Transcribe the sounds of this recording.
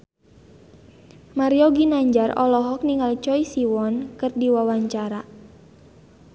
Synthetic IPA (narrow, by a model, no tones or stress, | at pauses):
maɾiɔɡinaɲd͡ʒarɔ̰lɔɦɔk̚niŋalt͡ʃɔisiwɔnkɨrdiwawaɲt͡ʃaɾa